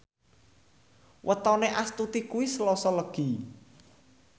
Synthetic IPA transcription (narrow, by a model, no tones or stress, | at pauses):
wʔət̪ɔneʔast̪ut̪ikuwisəlɔsɔləɡ̥i